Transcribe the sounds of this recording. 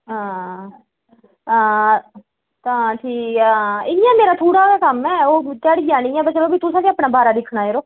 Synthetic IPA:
ɦãː | ãː | t̪ãːʈʰiːaɪnɪjãːmeːɾaːt̪ʰuːɽaːkaːkəmɛːoːt̪ɪjaːɽɡaːnĩːɛːbət͡ʃəloːbiːt̪ʊsãːt̪eːapnãːbaːɾaːd̪ɪkʰɽaːeːɾoː

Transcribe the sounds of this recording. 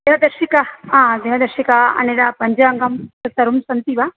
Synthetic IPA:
d̪enɐd̪ɐɾʃikaaːd̪enɐd̪ɐɾʃikaɐ̰ned̪apɐɲd͡ʒaːŋɡɐmt̪ɐt̪ɐɾumsɐnt̪iʋa

